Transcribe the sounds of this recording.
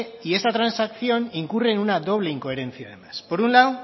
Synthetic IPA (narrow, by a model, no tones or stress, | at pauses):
ie̞st̪at̪ɾansakθio̞niŋkure̞nunad̪o̞β̞leiŋko̞e̞ɾe̞nt͡siaðemaspoɾunlaw